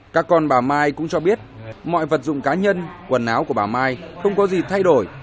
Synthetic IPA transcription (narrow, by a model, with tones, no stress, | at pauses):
kaː˦˥kːɔ˧nɓaː˧˩maː˧jkʊ̰˧˥ŋ͡mt͡ɕɔ˧ɓi˦˥ət̚mɔ̰˧˨jvə˨˩t̚zʊ̰˧˨ŋ͡mkaː˨˦ɲə˧nkwə˨˩nʔaː˨˦wku˧˩əɓaː˧˨˩maː˧jxə˧wŋ͡mkɔ˨˦zi˨˩t̪ʰa˧jɗo˧˩j